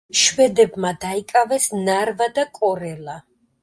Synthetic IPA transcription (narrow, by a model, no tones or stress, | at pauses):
ʃwɛd̪ɛbmad̪aikʼavɛsnaɾvad̪akʼɔɾɛla